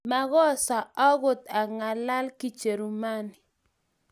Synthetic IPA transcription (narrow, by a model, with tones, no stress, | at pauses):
ma˨ɣɔ˦sa˨ɔ˦ɡʊ˨t̪a˨ŋa˨la˦lki˦t͡ʃe˨ɾu˨ma˦ni˨